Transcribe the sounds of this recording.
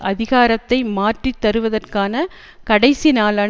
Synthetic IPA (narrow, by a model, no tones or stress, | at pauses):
ʔɐðɪɣaːɾɐt̪ːɐɪmaːʈrit̪ːɐɾɯʋɐðɐrkaːnɐ | kɐɽɐɪsinaːlɐ